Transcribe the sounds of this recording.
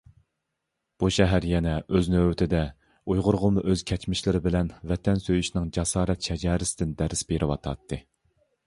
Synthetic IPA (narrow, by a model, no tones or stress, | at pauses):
b̥uʃɛɦæɾjɛnɛøznøwɪt̪ʰɪd̪ɛ | ujʁʊɾʁʊmuʔøz̥kʲʰɛt͡ʃmɪʃlɪɾɪbɪlɛnvɛt̪ʰɛnsøjyʃnɪŋd͡ʒɑsɑːɾɛt̪ʃɛd͡ʒɑːɾɪsɪd̪ɪnd̪ɛɾɪsbeɾʔɪwɑ̰t̪ʰɑ̰t̪ʰːɨ